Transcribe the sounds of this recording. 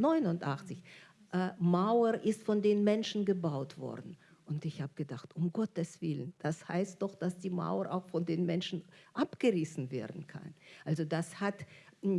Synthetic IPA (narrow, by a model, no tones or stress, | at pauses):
nɔʏnʊntʔaχt͡sɪç | ʔmaʊəʔɪstfɔndeːnmɛnʃn̩ɡəbaʊtv̥ɔ̰ɐdn̩ | ʔʊntɪçhaːbəɡ̥ədaχtʊmɡɔtəsv̥ɪlənd̥asha̰ɪst̚d̥ɔχd̥asd̥iːma̰ʊɐʔa̰ʊxfɔndeːnmɛnʃn̩ʔapɡ̥əʁɪsn̩vḛːɐdn̩kʰa̰nʔalzodashat